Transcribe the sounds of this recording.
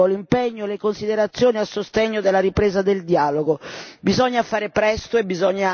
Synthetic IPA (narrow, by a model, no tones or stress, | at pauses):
olimpɛɲːoɛlɪkonsid̪eɾat̪sːjɔːniasːost̪ɛɲːod̪elːaɾipɾeːzad̪eld̪jaːloɡobizɔɲːafaːɾɪpɾɛst̪ʊɛbizɔɲːa